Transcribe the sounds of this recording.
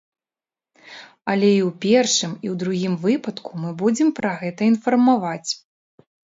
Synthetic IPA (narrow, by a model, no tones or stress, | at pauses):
ɐlʲɛiwpʲɛrʂɨmiwd̪ɾuɣʲimvɨpɐt̪kumɨbud͡zʲɛmpɾɐɣɛt̪ɐin̪fɐrmavat͡sʲ